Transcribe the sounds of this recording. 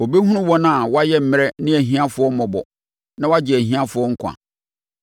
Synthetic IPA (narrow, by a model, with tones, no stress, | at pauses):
o˨be˦hũ˦nʊ̃˦wɔ̃˦nã˦a˨wa˦jɛ˦m̩˨mɪ̃˦ɾɛ˦nɪ̃˦æ˨ɦĩ˦ã˦fʊ˨˦ɔ˦mɔ̃˨bɔ̰˨ | nã˦wa˦d͡ʑɪ˨æ˨ɦĩ˦ã˦fʊ˨˦ɔ˦ŋ̩˦kʰa̰˨